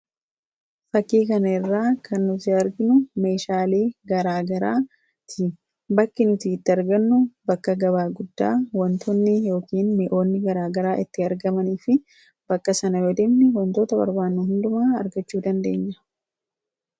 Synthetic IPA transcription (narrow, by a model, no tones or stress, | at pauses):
fɐkːiːkɐnɐɪrːaːkʰɐnːʊt̪ɪɐɾɡɪnʊmeːʃaːle̞ːɡɐɾaːɡɐɾaː | t̪ʰɪ | bɐkːɪnʊt̪iːɪt̪ːɪɐɾɡɐnːʊbɐkːɐɡɐβaːɡʊd̪ːaːwɐnt̪ʰɔnːɪjo̞ːkiːnmɪʔo̞ːnːɪɡɐɾaːɡɐɾaːʔɪt̪ːɪɐɾɡɐmɐniːfɪ | b̥ɐkːɐsɐnɐwɔd̪ɛmnɪwɐnt̪oːt̪ɐbɐ̰ɾbaːnːʊhʊnd̪ʊmaːɐɾɡɐt͡ʃːuːd̪ɐnd̪e̞ːɲːɐ